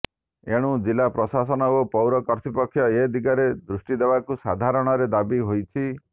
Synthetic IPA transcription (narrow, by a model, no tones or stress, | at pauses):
eɽ̃ud͡ʒilapɾɔsasɔnɔopɔwɾɔkɔɾt̪ʰipɔkʰːjɔed̪iɡaɾed̪ɾusʈid̪ebakusad̪ʱaɾɔɽ̃ɔɾed̪abiɦojt͡ʃʰi